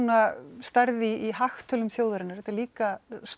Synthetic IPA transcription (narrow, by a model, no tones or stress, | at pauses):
nast̪aɾðiiɦaxt̪ʰœlʏmθjoːwðʏɾɪnaɾ̥θɛt̪ːɾliːkas